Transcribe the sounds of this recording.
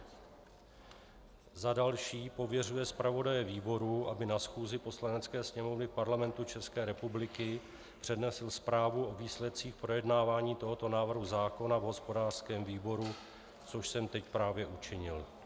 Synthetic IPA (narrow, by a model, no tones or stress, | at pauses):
zadalʃiːpo̞vjɛrujɛspɾavo̞dajɛviːbo̞ɾuʔabɪnasxuːzɪpo̞slanɛt͡skɛːsɲɛmo̞vnɪpaɾlamɛnt̪ut͡ʃɛskɛːɾɛpublɪkɪ | pr̝̥ɛdnɛsɪlspɾaːvuʔo̞viːslɛt̪̚t͡siːxpɾojɛdnaːvaːɲiːt̪o̞ɦo̞t̪o̞naːvr̩ɦuzaːko̞navɦo̞spo̞daːr̥skɛːmviːbo̞ɾu | t͡so̞ʃsɛmt̪ɛcpɾaːvjɛʔut͡ʃɪɲɪl